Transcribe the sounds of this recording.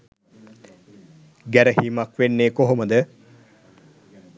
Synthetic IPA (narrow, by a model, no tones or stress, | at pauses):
ɡæɾəɦiːmakʋenːeːkoɦoməd̪ə